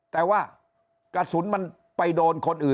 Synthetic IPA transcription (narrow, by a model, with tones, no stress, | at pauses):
t̪ɛː˨˩waː˥˩ | kla˧t̪̚su˩˦nma˧n | pa˧jdoː˧nkʰo˧nʔɯː˨˩